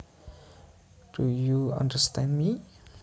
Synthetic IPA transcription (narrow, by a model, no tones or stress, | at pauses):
d̥ujuã̰ndəstɛ̃ndmi